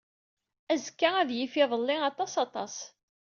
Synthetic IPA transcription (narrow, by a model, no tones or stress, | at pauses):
æzkːaæðjifɪðˤəlːɪɑt̪ˤɑsɑt̪ˤɑ̰s